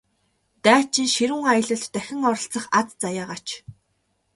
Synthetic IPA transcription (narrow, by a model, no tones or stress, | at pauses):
t̪æːt͡ɕĭŋʃiɾuːŋajə̆ɮə̆ɬt̪ːæxʲɪ̆ŋɔɾɞ̆ɬt͡sə̆χat͡st͡sajaːʁaːt͡ɕʰ